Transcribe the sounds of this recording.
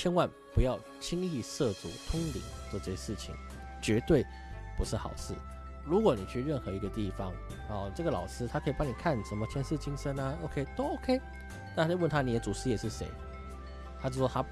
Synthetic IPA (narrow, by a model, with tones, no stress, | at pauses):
t͡ɕʰjɛ˥nwa˥˩n | pu˧˥jɑ˥˩ʊ | t͡ɕʰi˥ŋi˥˧ʂɤ˥˩t͡sṵ˨˥˦t̪ʰʊ˥ŋlḭ˨˩˦t͡swɔ˥˧ʈ͡ʂɤ˥˩ɕɛ˧ʂɻ̩˥˩t͡ɕʰḭ˨˩˦ŋ | t͡ɕɥɛ˧˥t̪we˥˩ɪ | pu˧˥ʂɻ̩˥˩xɑ̰˨˩ʊʂɻ̩˥˩ | ɻu˧˥kwɔ˧˥˦ni˨˩t͡ɕʰy˥˧ɻə˥˩nxɤ˧˥i˧˥ɡə˧t̪i˥˩fɑ˦ŋ | ɔ˧˩ʈ͡ʂɤ˥˩ɡə˩lɑ̰˨˩ʊʂɻɹ̩˥t̪ʰa˥kʰi˨˩pɑ˥ŋni˨˩kʰa˥˩nʂə˧˥mə˧t͡ɕʰjɛ˥˧nʂ̩˥˧t͡ɕi˥ŋʂə˥nə˧o˧˥ʊkʰe˥ɪt̪o˥o˥ʊkʰe˥ɪ | na˥˩a˥˧wə˥˨nt̪ʰa˥ni˨˩d̪ə˦t͡su˨˩ʂ̩˥jɛ˨˩ʂɻ̩˥˩ʂḛ˧˥ɪ | t̪ʰa˥t͡ɕjʂwɔ˥t̪ʰa˥